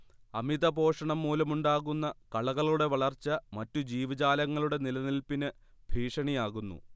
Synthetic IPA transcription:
ɐmiðɐbʱo̞ːʂɐɳɐmːuːlɐmuɳɖaːɣunːɐkɐɭɐɣɐɭuɽe̞ʋɐɭɐrt͡ɕːɐmɐtːud͡ʑiːʋɐt͡ɕaːlɐŋːɐɭuɽe̞nilɐnilpinɨ | bʱiːʂɐɳijaːɣunːṵ

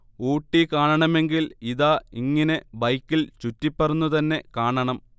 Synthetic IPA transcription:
uːʈːikaːɳɐɳɐme̞ŋɡiliðaːiŋːɐne̞bɐjkːilt͡ɕutːipːɐrunːut̪ɐnːe̞kaːɳɐɳɐm

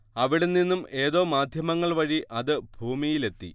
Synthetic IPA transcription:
ɐʋiɽenːinːumʔe̞ːðo̞ːmaːd̪ʱjɐmɐŋːɐɭʋɐɻiʔɐðɨbʱuːmijile̞t̪ːi

